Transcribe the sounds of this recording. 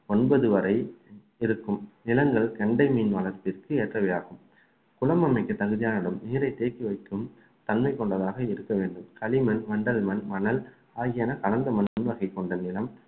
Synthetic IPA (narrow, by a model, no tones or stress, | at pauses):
ɔnbɐðɯʋɐɾɐɪ | ɪɾɯkːɯmnɪlɐŋɡɐɭkɐɳɖɐɪmiːnʋɐlɐɾt̪ɪrkɯɛːʈrɐʋɪjaːɣɯm | kʊlɐmɐmɐɪkːɯt̪ːɐɣɯðɪjaːnɐɽɯmniːɾɐɪt̪ːeːkːiʋɐɪkːɯm | t̪ɐnmɐɪkːɔɳɖɐðaːɣɐɪɾɯkːɐʋeːɳɖɯmkɐlɪmɐnʋɐɳɖɐlmɐnmɐnɐl | aːɣɪjɐnɐkɐlɐnd̪ɐmɐnʊnʋɐɣɐɪkːɔɳɖɐnɪlɐm